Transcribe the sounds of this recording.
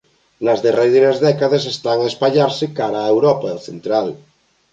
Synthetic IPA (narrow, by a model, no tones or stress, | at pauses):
nazðereðenezðɛkaðes̬est̪aŋaespaʎaɾsekaɾaːewɾopaelθent̪ɾal